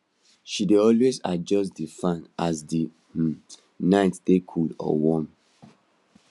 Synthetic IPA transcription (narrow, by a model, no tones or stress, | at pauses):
ʃideɔlwezad͡ʒɔsdifãnazdi | nãɪ̃ntd̥ekʰudɔ̰wɔ̃m